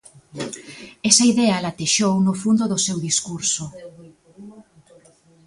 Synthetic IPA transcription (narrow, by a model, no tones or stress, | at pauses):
ɛsɐiðɛɐlat̪eʃownʊfund̪oðʊsewðiskuɾso